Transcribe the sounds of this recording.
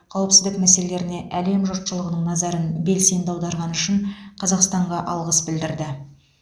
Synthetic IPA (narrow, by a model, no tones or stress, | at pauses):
qʰɑwəpsɪzd̪ɪkmæse̞lele̞ɾɪne̞ʔæle̞mʒʊt̪ʃəlˠəʁənəɴnɑzɑɾənbe̞lse̞nd̪ɑwd̪ɑɾʁɑnʏʃɪɴqʰɑzɑqst̪ɑɴʁɑʔɑlˠʁəsbɪld̪ɪɾd̪ɪ